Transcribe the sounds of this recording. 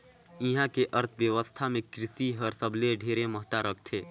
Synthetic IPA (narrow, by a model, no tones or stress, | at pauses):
iɦãkeʔəɾt̪ʰʋjəʋəst̪ʰamẽkɾɪsiɦəɾsəbleɖʱeːɾẽməɦt̪aɾək̚ʰt̪ʰeː